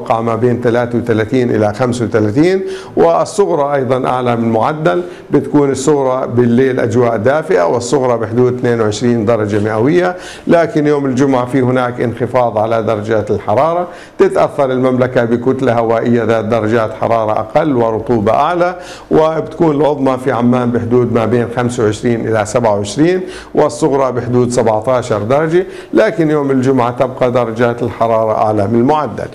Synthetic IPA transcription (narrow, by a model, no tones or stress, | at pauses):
qːɑʕmabeːnt̪alaːt̪awɪt̪alaːt̪iːnʔɪ̰laxamswɪt̪alaːt̪iːn | wɪsˤːʊɣɾˤɑʔɑjðˤɑnʔa̰ʕlamɪnmʊʕad̪ːal | bɪt̪ḁkuːnɪsˤːʊɣɾˤɑbɪlːeːlʔa̰d͡ʒwaːʔd̪aːfɪʔa̰wɪsˤːʊɣɾˤɑbɪħʊd̪uːd̪̚t̪neːnwʕɪʃɾiːnd̪ɑɾˤɑd͡ʒamɪʔawɪjːa | laːkɪnjoːmɪld͡ʒʊmʕafihʊnaːkʔɪ̰nxɪfɑːðˤʕalad̪ɑɾˤɑd͡ʒaːt̪ɪlħɑɾˤɑːɾˤɑ | t̪ɪt̪ʔaθːɑɾˤɪlmamlakabɪkʊt̪lahawaːʔɪjːaðaːt̪̚d̪ɑɾˤɑd͡ʒaːt̪ħɑ̰ɾˤɑːɾˤɑʔa̰qɑlːwɪɾˤʊt̪ˤuːbɑ̰ʔaʕla | wɪbt̪ḁkuːnɪlʕʊðˤmɑfiʕamːaːnbɪħʊd̪uːd̪mabeːnxamsawʕɪʃɾiːnʔɪlasabʕawʕɪʃɾiːn | wɪsˤːʊɣɾˤɑbɪħʊd̪uːd̪sabʕt̪aːʃɑɾˤd̪ɑɾˤɑd͡ʒi | laːkɪnjoːmɪld͡ʒʊmʕat̪ɪb̚qɑd̪ɑɾˤɑd͡ʒaːt̪ɪlħɑɾˤɑːɾˤɑʔa̰ʕlamɪlmʊʕad̪ːa̰l